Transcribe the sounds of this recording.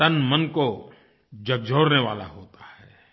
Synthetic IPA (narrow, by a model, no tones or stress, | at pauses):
t̪ɐnmɐnko | d͡ʒɐɡ̚d͡ʒʱoːɾneʋa̰ːla̰ɦoːt̪ḁhɛː